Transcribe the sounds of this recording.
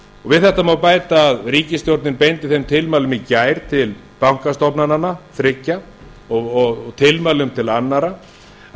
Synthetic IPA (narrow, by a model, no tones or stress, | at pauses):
ɔɣvɪðθɛht̪ːamawpaːjt̪aːðriːcɪst̪jowɾt̪nɪnpejnt̪ɪθejmt̪ʰɪlmaːlʏmicaːjɾ̥t̪ʰɪl | pawŋ̥kast̪ɔpnananːaθɾɪcːa | ɔɣɔɣt̪ʰɪlmaːlʏmt̪ʰɪlanːaɾa